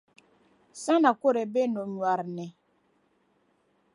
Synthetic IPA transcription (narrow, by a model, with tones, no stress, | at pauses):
sa˦na˨ko˦ɾɛ˨be˦no˨ɲwa˨ɾnɛ˨